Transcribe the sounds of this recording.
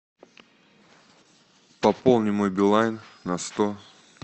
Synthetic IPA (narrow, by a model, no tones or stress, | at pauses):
pɐpolˠnʲɪmojbʲɪlˠajnːɐst̪o